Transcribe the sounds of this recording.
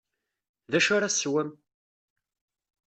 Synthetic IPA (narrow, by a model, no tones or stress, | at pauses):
ðæʃʊɾaswæm